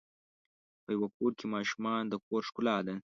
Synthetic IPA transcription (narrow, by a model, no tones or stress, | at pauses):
pəjawakoɾkemɑʃumɑnd̪əkoɾʂkʊlɑd̪e